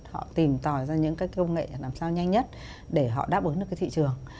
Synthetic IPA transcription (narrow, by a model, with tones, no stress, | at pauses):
hɔ̰˧˨t̪i˨˩mt̪ɔ˨˩zaː˧ɲɨ̰˧˥ŋkaː˦˥jkkə˧wŋ͡mŋḛ˧˨laː˨˩msaː˧wɲa˧jŋ̟ɲə˦˥t̚ | ɗe˧˩ɦɔ̰˧˨ɗa̰ː˦˥p̚ʔɨ˨˦nɨ˨˩kaː˨˦t̪ʰḭ˧˨t͡ɕɨ˨˩əŋ